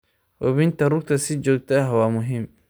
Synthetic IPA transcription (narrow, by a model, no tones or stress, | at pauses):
wɔβɪnt̪ʰɐrʊɡ̚t̪ʰɐsɪd͡ʒoːɡ̚t̪ʰɐɦwaːmʊɦɪm